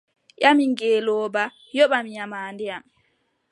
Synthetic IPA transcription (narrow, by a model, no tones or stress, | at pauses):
ʔamiŋɡeːlɔːba | jɔɓamiɲamaːndɛam